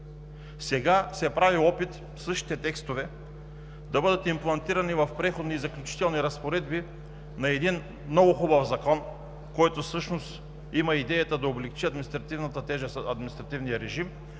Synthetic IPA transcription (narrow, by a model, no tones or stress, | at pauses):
sɛɡasɛpɾaviɔpit̪ | fsɤʃt̪i̥t̪ɛt̪ɛkst̪ovɛ | d̪ɐbɤd̪ət̪implˠɐnt̪iɾɐnivɐfpɾɛxod̪niːzɐklʲʊt͡ʃi̥t̪ɛlˠniɾɐspoɾɛd̪bi | nɐɛd̪in | mnɔɡʊxɔbɐfzɐkɔn | kɔjt̪osɤʃnost̪ | imɐid̪ɛjɐt̪əd̪ɐoblɛkt͡ʃiɐd̪minist̪ɾɐt̪ivnɐt̪ət̪ɛʒəsɐd̪minst̪ɾɐt̪ivnijəɾɛʒim